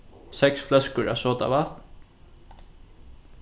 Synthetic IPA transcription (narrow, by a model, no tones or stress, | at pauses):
sɛksflɛskəɾasɔːt̪a̰vat̪n